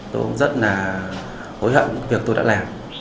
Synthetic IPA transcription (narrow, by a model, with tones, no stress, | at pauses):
t̪o̰˧jku˧˥ŋ͡mzə˦˥t̚laː˨˩ | ho˨˦jhə̰ː˧˨nvi˨˩ək̚t̪o˧ja̰ː˧˥laː˨˩m